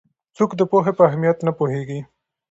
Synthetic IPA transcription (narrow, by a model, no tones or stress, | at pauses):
t͡sokd̪əpoɦepəaɦmijat̪napoɦeɡi